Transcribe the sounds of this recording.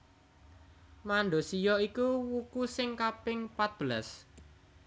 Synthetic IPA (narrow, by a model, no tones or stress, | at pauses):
maɳɖo̤sijɔikuwukusɪŋkapɪŋpat̪̚b̥əlas